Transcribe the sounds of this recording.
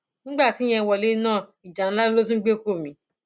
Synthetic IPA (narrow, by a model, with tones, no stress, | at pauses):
nĩ˦ɡ͡ba˦˨ti˨˦j̃ɛ̃˧wɔ˨le˨˦nãː˦˨i˨d͡ʒa˨ɾ̃la˦u˦lo˦t̬ũ˦ɡ͡be˦˨ko˦˨mĩ˨˧˦